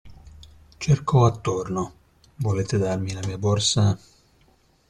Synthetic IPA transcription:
t͡ʃerkɔat̪ːorno | voleːt̪ed̪armilamiːaborsa

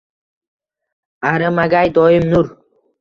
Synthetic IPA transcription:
aɾɨmaɡajd̪ɔjɪmnʊɾ

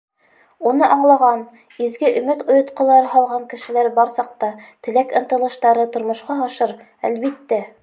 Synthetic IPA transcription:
unɤʔɑɴlˠɑʁɑn | izɡɘʔɵ̆mɘt̪ŏjŏt̪qɤ̆lˠɑɾɤɦɑlˠʁɑŋkɘ̆ʃɘ̆læɾbɑɾsɑqt̪ɑt̪ɘ̆lækɤ̆nt̪ɤ̆lˠɤ̆ʃt̪ɑɾɤt̪ŏɾmŏʃqɑɑʃɤɾ | æ̰lβit̪ːæ

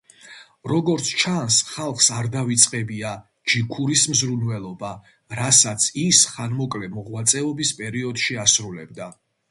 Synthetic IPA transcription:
ɾɔɡɔɾt̪sʰt͡ʃʰansχalˠχsaɾd̪avit̪sʼqʼɛbia | d͡ʒikʰuɾismzɾunvɛlˠɔba | ɾasat̪sʰisχanmɔkʼlɛmɔʁwat̪sʼɛɔbispʼɛɾiɔd̪̥ʃiasɾulɛ̰b̚d̪a

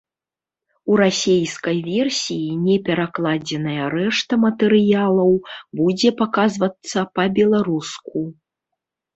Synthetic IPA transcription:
uɾasʲejskɐjvʲɛrsʲijinʲɛpʲɛɾaklˠad͡zʲɛnɐjɐɾɛʂt̪ɐmɐt̪ɛɾɨjalˠɐwbud͡zʲɛpakazvɐt̪sːɐpɐbʲɛlˠaɾusku

